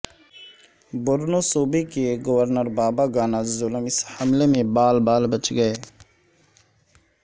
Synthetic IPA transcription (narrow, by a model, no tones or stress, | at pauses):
bʊɾnoːsoːbekeɡəʋəɾnəɾbaːbaːɡaːnaːd͡ʒzʊləmɪshəmleːmẽbaːlbaːlbət͡ʃɡəeː